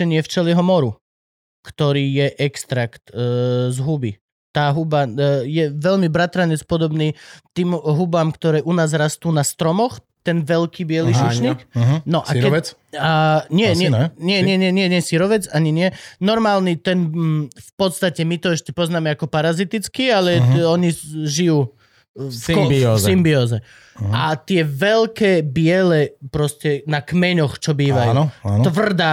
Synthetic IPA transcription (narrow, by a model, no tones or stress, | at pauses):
ɛɲɪɛft͡ʃɛlɪɛɦɔmɔɾu | kt̪ɔɾiːjɛʔɛkst̪ɾakt̪zɦubi | t̪aːɦubajɛʋɛʎmibɾat̪ɾaɲɛt͡spɔd̪ɔbniːt̪iːmɦubaːmkt̪ɔɾɛːʔunaːzɾast̪uːnast̪ɾɔmɔx | t̪ɛnʋɛlkiːbɪɛliuʃɲiːknɔʔaɾɛɛaɲɪɛɲɛɲɪɛɪɛɲɪɛɲɪɛɲɛsiɾɔʋɛt͡saɲiɲɪɛnɔɾmaːlnit̪ɛnfpɔt̪st̪acɛmit̪ɔɛʃcɛpɔznaːmɛakɔpaɾazit̪it͡skialɛɔɲiʒijuː | fkiɔsimbiɔːzɛ | at̪ɪɛʋɛlkɛːbɪɛlɛpɾɔscɛnakmɛɲɔxt͡ʃɔbiːʋajunɔat̪ʋr̩d̪aː